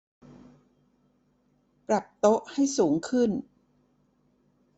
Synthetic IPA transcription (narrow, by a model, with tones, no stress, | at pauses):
pɾa˨˩p̚t̪o˦˥ʔha˥˩jsuː˩˦ŋkʰɯ˥˩n